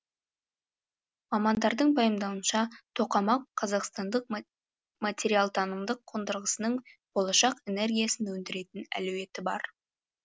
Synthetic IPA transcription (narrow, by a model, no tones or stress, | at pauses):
mɑmɑnd̪ɑɾd̪əɴbɑjəmd̪ɑwənʃɑt̪ʰo̞qɑmɑqʰːɑzɑqst̪ɑnd̪əq̚ | mat̪ʲe̞ɾijalˠt̪ʰɑnəmd̪əqʰːond̪əɾʁəsənəɴb̥o̞lˠɑʃɑqe̞ne̞ɾɡʲijasɪnwɵnd̪ɪɾe̞t̪ɪnæ̰lʉwe̞t̪ɪbɑ̰ɾ